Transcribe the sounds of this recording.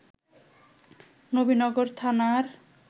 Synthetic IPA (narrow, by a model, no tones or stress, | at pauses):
nobinɔɡoɾt̪ʰanaɾ